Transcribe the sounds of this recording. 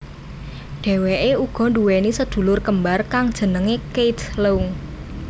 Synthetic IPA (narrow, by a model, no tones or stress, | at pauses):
ɖ̥e̤weʔeuɡ̥ɔ̤ɳɖuwenisəd̪̥ṳlʊrkəmbarkaŋd̥ʒ̥ə̤nəŋekejt̪louŋ